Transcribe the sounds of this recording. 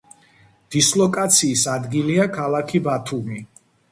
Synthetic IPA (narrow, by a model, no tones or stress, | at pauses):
d̪̥islˠɔkʼat̪sʰiːsad̪ɡiliakʰalˠakʰibat̪ʰumi